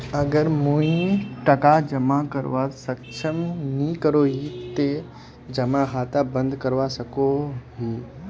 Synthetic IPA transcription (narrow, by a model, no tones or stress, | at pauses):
ɐɡəɾmuĩʈɐkad͡ʒɐmãkɐɾʋasɐkʃʰəmnikəɾoːɦit̪e | d͡ʒɐmaɦaːt̪abɐ̃nd̪ʱkəɾʋasɐkoɦi